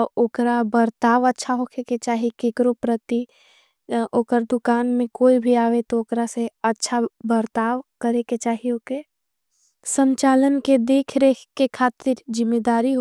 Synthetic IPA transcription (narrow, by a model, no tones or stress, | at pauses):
oːkɾabəɾt̪aːʋətːʃʰaɦokʰeket͡ʃaːɦikeːkɾopɾət̪i | oːkəɾd̪ʊkaːnmẽkoːibʱiaːʋet̪ooːkɾaseɐtːʃʰabəɾt̪aːʋkɐɾeket͡ʃaːɦioːke | sə̃ɲt͡ʃaːlənked̪eːkʰɾekekʰaːt̪ɪɾd͡ʒɪmːeːd̪aːɾiɦo